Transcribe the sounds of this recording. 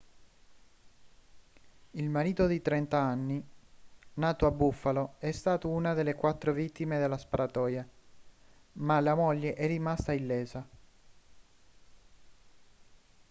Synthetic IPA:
ilmaɾiːt̪od̪it̪ɾɛnt̪aanːi | naːt̪oabːufːaloɛst̪aːt̪ounad̪elːekwat̪ːɾovit̪ːimed̪elːaspaɾat̪ɔːja | malamoʎːeʔɛrːimast̪ailːɛːza

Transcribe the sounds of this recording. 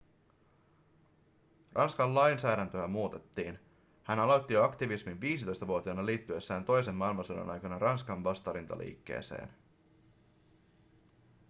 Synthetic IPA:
rʔɑnskɑllɑjnsæːɾænt̪øæmuːt̪e̞t̪ːiːn | hænɑlo̞t̪ːijoɑkt̪iʋisminʋiːsit̪o̞jst̪ɑʋuot̪iɑnɑliːt̪ːye̞sːæːnt̪o̞jse̞mːɑilmɑnsudɑ̰nɑjkɑnɑrɑnskɑɱʋɑst̪ɑɾint̪ɑ̰lʔḭːkːe̞̰ːse̞̰ːn

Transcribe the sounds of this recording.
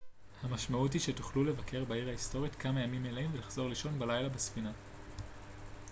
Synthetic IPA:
hamaʃmaut̬hiʃetu̥χlulevakʰe̞ʁbaiʁhaisto̞ʁitkʰamajamimelaimvelaχz̥o̞ʁliʃo̞nbalajlabesfina

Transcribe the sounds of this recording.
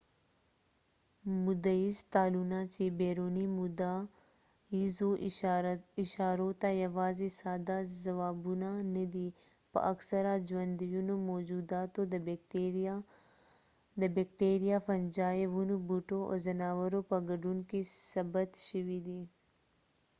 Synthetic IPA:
mʊd̪əist̪aːluːnãːt͡ʃebeːɾoːnimud̪a | izoʔ | ɪʃaːɾot̪ajɐʋaːzesaːd̪azɐʋaːbunãnəd̪iː | pɐ̰ʔɐksɐɾad͡ʒʋɐ̃nd̪ijunumoːd͡ʒuːd̪aːt̪od̪ɐbʈe | d̪ɐbek̚ʈeːɾijafɐnd͡ʒaːeʋunubuʈoo̰zɐnaːʋəɾopɐɡɐɖunkisɐbət̪ʃiʋid̪i

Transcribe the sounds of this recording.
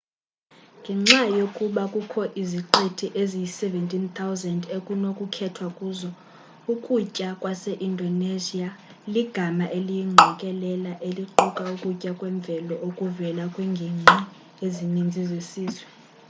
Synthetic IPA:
ŋɡʱɛŋ͡ǀajokʼuɓakʼukʰɔʔiziǃetʰiʔezijisɛvɛntʼint̪ʰawzɛndekʼunokʼukʰɛtʰwakʼuzɔ | ukʼucʼakʼwasɛʔindʱɔnezia | liɡ̥ʱamaʔelijiŋ͡ǁʱɔkʼɛlɛlaʔeliǃukʼaukʼucʼakʼwɛɱb̪vʱɛlɔʔokʼuvɛlakʼwɛŋɡʱeŋ͡ǀi | ezinind͡zʱizesiːzwɛ

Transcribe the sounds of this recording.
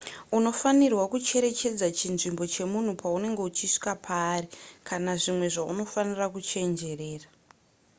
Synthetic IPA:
uno̞fanirwakut͡ʃe̞ɾe̞t͡ʃe̞d͡zat͡ʃinʐimbo̞t͡ʃe̞mun̤upaune̞ŋɡe̞ut͡ʃiʂi̥kapʰaːrikʰanaʐimwe̞ʐaṵno̞fanirakut͡ʃe̞nd͡ʒe̞re̞ːra

